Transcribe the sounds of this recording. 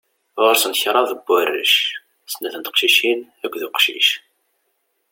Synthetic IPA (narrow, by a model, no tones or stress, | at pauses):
ʁʊɾsənçɾˤɑðəbːærːə̰ʃ | snːæθənt̪qʃiʃin | ækʷːðuqʃḭʃ